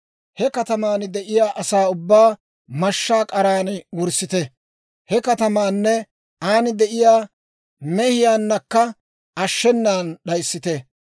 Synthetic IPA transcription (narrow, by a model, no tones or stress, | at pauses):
hɛkɐt̪ɐmaːnd̪ɛʔɪjaːʔɐsaːʊbːaː | mɐʃːaːkʼɐɾaːnwɔɾsɪt̪ɛ | hɛkɐt̪ɐmaːnːɛ | aːnɪd̪ɛʔɪjaː | mɛhɪjaːnːɐkːɐ | ɐʃːɛnːaːnɗɐjsːɪt̪ɛ